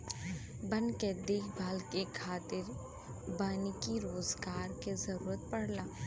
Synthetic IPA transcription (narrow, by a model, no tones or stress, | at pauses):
bɐ̃nked̪eːkʰbʱaːlkekʰaːt̪ɪɾ | baːnikiɾoːzɡaːɾkezɐɾuːɾət̪̚pɐɽ̤laː